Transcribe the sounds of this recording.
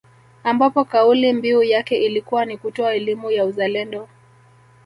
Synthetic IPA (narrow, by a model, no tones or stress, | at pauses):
ambapɔkaulimbiujakɛʔilikuwanikutɔaɛlimujauzalɛndɔ